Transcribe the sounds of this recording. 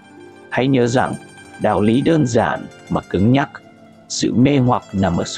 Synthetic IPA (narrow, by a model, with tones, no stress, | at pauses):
ha˧jɲəː˨˦za̰˨˩ŋɗa̰ː˨˩wli˨˦ɗəː˧nza̰ː˧˨n | maː˨˩kɨ˨˦ŋɲa˦˥k̚ | sɨ̰˧˨me˧hwa˨˩k̚na˨˩mʔəː˧˩s